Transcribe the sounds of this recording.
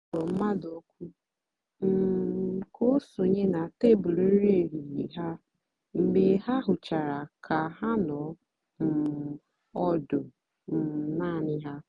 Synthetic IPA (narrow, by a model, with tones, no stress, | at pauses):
o˨m̩˦ma˦do˦kʷu˦ | m̩˦˨ko˦so˨ɲe˦na˨te˦bʊ˨le˦ɾi˦e˦˨ɾi˨ɣi˨ɦa˦ | m̩˨bɪ˨ɦa˦ɦʊ˨t͡ʃa˨ɾa˨kʰa˨ɦa˦nɔ˨˦ | m̩˨ | ɔ˦dʊ˨ | m̩˨naː˦˨nɪ˦ɦa˦